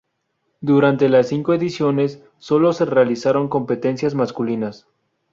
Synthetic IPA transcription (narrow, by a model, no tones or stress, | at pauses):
d̪uɾant̪e̞lasːiŋkoe̞ðisjo̞ne̞sː | o̞lo̞se̞realisaɾo̞ŋko̞mpe̞t̪e̞nsjazmaskulinas